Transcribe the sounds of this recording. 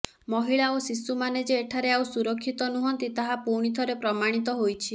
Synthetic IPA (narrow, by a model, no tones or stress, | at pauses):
mɔɦiɭaosisumaned͡ʒeːʈʰaɾeawsuɾɔkʰːit̪ɔnuɦɔnt̪it̪aɦapuɾɽ̃it̪ʰɔɾepɾɔmaɽ̃it̪ɔɦojt͡ʃʰi